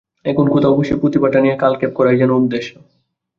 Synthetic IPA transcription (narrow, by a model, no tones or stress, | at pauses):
ekunkut̪aobiʃopɾut̪ibaʈanijekalkep̚kɔɾajd͡ʑɛnoud̪ːeʃːo